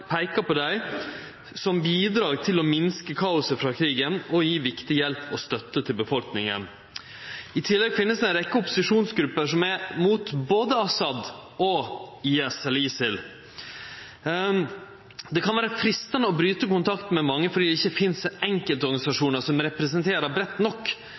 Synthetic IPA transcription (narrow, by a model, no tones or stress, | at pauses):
pʰæɪkɑpʰɔd̪æɪ | sɔmbiːd̪ɾɑːɡt̪ʰɪlɔmɪnskəkʰɑːʊsəfɾɑːkʰɾiːɡənɔjiːʋɪkt̪ɪjɛlpːɔst̪œt̪ːət̪ʰɪlbəfɔlknɪŋə̰n | ɪt̪ʰɪlːɛɡfɪnːəsɛnɾɛkːəɔpːʊ̥sɪʂuːnsɡɾʉpːəʂɔmæɾmuːt̪boːd̪əɑsɑd̪ʔɔiɛsɛlisɪl | d̪ɛkʰɑnʋæːɾəfɾɪst̪ənəɔbɾyːt̪əkʊnt̪ʰɑkt̪mɛmɑŋːəfɔɖ̪iːd̪ɛɪçːəfɪnsɛŋkəlt̪ɔɾɡɑnɪsɑʂuːnəsɔmɾɛpɾɛsɛnt̪ʰeːɾəbɾɛt̪ːnɔkː